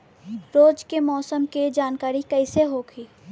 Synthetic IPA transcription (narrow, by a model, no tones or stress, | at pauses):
ɾoːd͡ʒkemɔːsəmkid͡ʒaːnkaːɾikəɪseɦoɡʰiː